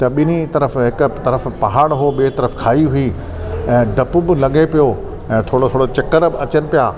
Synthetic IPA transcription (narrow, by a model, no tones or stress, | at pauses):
t̪ɐɓɪnit̪ɐɾəfɦɪkʊ̆t̪ɐɾəfpɐɦaːɽɦʊoɓit̪ɐɾəfkʰaːiɦʊi | ɛ̃ːɖɐpʊbɪlɐɠepijo | ɛ̃ːt̪ʰoːɽot̪ʰoːɽot͡ɕɐkəɾbɪɐt͡ɕənɪ̆pijaː